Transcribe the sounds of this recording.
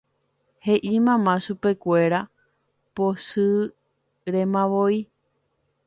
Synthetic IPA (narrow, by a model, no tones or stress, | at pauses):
he̞ʔimãmãʃupe̞kʷe̞ɾa | posɨ | ɾẽmãʋoi